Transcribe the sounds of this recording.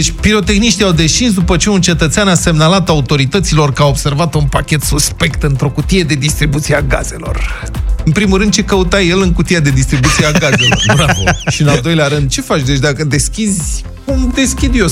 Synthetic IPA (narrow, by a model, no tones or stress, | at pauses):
et͡ʃʲpiɾo̞t̪e̞xniʃt̪iawd̪e̞ʃt͡ʃins̬d̪upət͡ʃe̞unt͡ʃe̞t̪ət̪seanase̞mnalat̪aut̪o̞ɾit̪ət̪silo̞rkəaobse̞rvat̪unpakʲe̞t̪suspe̞kt̪ɨnt̪ɾo̞kut̪ije̞d̪e̞d̪ist̪ɾibut̪siaɡaz̥e̞lo̞̰r | ɨnpɾimulɾɨnd̪̚t͡ʃe̞kəut̪aje̞lɨŋkut̪ijad̪e̞d̪ist̪ɾibut̪siaɡaze̞l̞o̞rbɾavoʃiɨnald̪o̞jleaɾɨnd̪̚t͡ʃe̞fat͡ʃʲd̪e̞t͡ʃʲd̪akəd̪e̞skʲizʲ | umd̪e̞skʲid̪ios